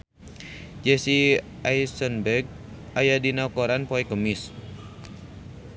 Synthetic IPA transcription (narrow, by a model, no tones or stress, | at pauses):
d͡ʒɛsiʔajsənbɛrɡ̚ | ʔajadinaukoɾanpɔɛkəmiɪs